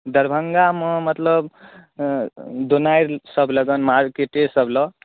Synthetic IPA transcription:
d̪ʌɾbʱʌŋɡamʌmʌt̪lʌb | d̪onajɾsʌbʱlʌɡʌnmaɾkeʈesʌblʌ

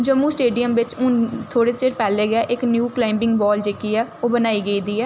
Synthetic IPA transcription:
d͡ʒəmːũːsʈeːɖijəmʋɪt͡ʃũːt̪ʰoːɽeːt͡ʃeɾpɛːleːɡɛːʔɪknjuːklaːɪmbɪ̃ŋɡbɔːld͡ʒeːkiːɛːoːbənaːiːɡəiːd̪iːɛː

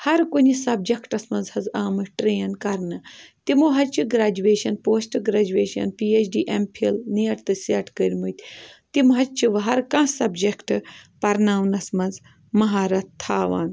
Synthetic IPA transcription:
hɐɾkunisɐbd͡ʒɐkʈɐsmɐnzhɐzaːmɐʈɾeːnkɐɾnɨt̪imoːɦɐt͡ʃʰiɡɾaːd͡ʒuʋeːʃɐnpoːsʈɨɡɾaːd͡ʒueːʃɐ̰npiːet͡ʃʰɖiːʔempʰilniɐʈt̪ɨseʈkəɾʲmut̪ʲt̪imɦɐt͡ʃʰiʋɐɦɐɾkãːsɐbd͡ʒɐkʈɨpɐɾnaːʋunɐsmɐnz | mɐɦaːɾɐt̪t̪ʰːaːʋa̰ːn

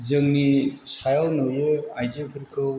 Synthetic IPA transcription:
zɯŋnisajawnɔwjeajzepʰɯɾkʰɯ

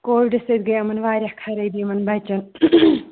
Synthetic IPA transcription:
koːʋiɖɐsɐd̪ɡɐjɐmɐnʋaːɾʲjɐhkʰɐɾɐjd̪imɐnbɐt͡ʃɐn

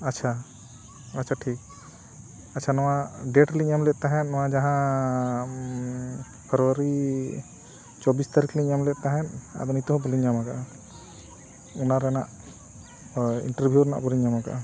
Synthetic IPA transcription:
att͡ʃʰa | at͡ʃʰaʈʰik̚ | att͡ʃʰanɔwaɖɛʈliɲamlɛʔt̪aɦɛnnɔwad͡ʒaɦã | pʰəɾuwaɾi | t͡ʃɔbist̪aɾikliɲamlɛʔ̪̚t̪aɦɛna̰d̪ɔnit̪ɔɦɔbɔliɲːamakaʔa | unaɾɛnaʔ | ḭɳʈəɾbʱjuɾɛna̰ʔbɔliɲamaɡa̰ʔa

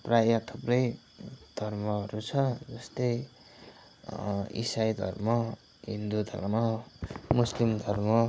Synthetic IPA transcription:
prajat̪ʰuprʌj | d̪̥ʱʌrmʌʌɾut͡sʰʌd͡zʌst̪ʌj | ḭsajd̪ʱʌ̰rmʌ | ɦind̪ud̪ʱʌ̰rmʌmuslimd̪ʱʌrmʌ

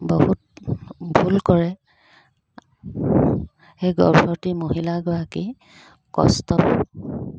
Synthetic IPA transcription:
bohut̚bʱulkɔɹɛ | xejɡɔ̰ɹbʰʱɔɹtimoɦilaɡɔjaki | kɔ̰stɔp

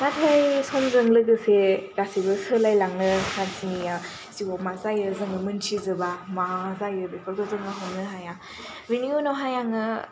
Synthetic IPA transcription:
natʰajsɔnzɯŋlɯɡɯseɡasibɯsɯlajlaŋlɯkʰansinija | siwɔmazajɯzɯŋɯmɯnt͡ʃʰizɯbamazajɯbekʰɔɾɡɔzɯŋaɦɔwnɯɦajaŋ | binionɔɦajaŋɯ

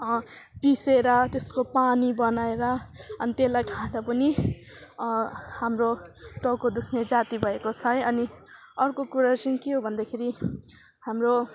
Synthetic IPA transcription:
ʌpiseɾʌt̪eskopanibʌnaeɾʌʌnit̪elajkʰãd̪apʌni | hamroʈʌkod̪ukʰned͡zat̪ibʱʌekot͡sʰʌjʌni | ʌrkokuɾat͡sʌnĩkeɦobʱʌnd̪akʰeɾi | hamro

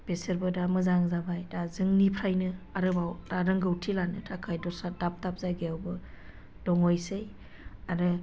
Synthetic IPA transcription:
b̥eseɾbɯdamɯzaŋzabajdazɯŋnipʰɾajnɯaɾɯbawdaɾɯŋɡɯwtʰilanɯtʰakʰajdɔsadap̚tap̚zajɡejawbɯ | dɔŋɔjsej | aɾɯ

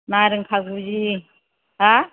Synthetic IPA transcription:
maɾiŋkʰakud͡ʒi | ɦa

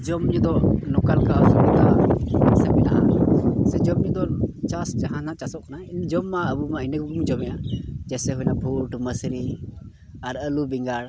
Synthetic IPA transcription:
d͡ʒɔmɲud̪ɔnɔkalkasɛbɛt̪asɛbɛna̰ʔasɛd͡ʒɔmɲud̪ɔt͡ʃasd͡ʒaɦãnat͡ʃasɔʔkanaind͡ʒɔmːaəbumainəkumd͡ʒɔmɛjad͡ʒɛsɛɦujnabʱuʈməsɾi | aɾəlubiŋɡaɽ

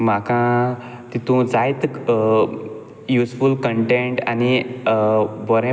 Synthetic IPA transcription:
makã | t̪it̪ũd͡zajt̪ | jusfulkəɳʈeɳʈa̰ni | bəɾẽ

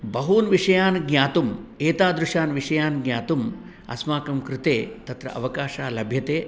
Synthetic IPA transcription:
bɐɦuːnʋiʂɐjaːnɡɲʲaːt̪umeːt̪aːd̪ɾuʂaːnʋiʂɐjaːnɡɲʲaːt̪um | ɐ̰smaːkɐmkɾɪt̪eːt̪ɐt̪ɾɐ̰ʔɐ̰ʋɐkaːʃaːlɐbʱjɐt̪eː

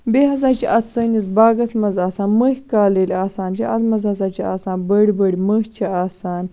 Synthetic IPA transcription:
beːɦɐzaːt͡ʃʰiʔɐt̪səːnizbaːɡɐsmɐzaːsaːnməhʲkaːlelʲaːsaːnt͡ʃʰiʔɐt̪mɐzɐzaːt͡ʃʰia̰ːsãːnbəɽibəɽʲiməht͡ʃʰɐaːsaːn

